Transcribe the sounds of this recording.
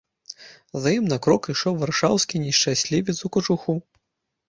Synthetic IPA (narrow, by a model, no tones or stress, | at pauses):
zɐjimnakɾɔkiʂɔwvarʂawskʲinʲiʂt͡ʂasʲlʲivʲit̪sukɐt͡ʂuxu